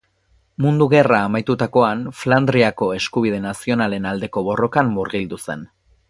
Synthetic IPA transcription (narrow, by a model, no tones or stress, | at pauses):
mund̪uɣe̞raːmajt̪ut̪ako̞anfland̪ɾiako̞e̞skuβ̞ið̞e̞nasio̞nale̞nald̪e̞ko̞βo̞ro̞kamːuɾɣild̪use̞̰n